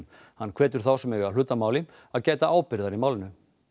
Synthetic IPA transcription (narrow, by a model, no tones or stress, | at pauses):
hanːkʰv̥ɛːt̪ʏɾ̥θawsɛmɛɣalʏːt̪amaːwlɪ | aðcaːjt̪aʔaːwpɪɾðaɾimaːwlɪnʏ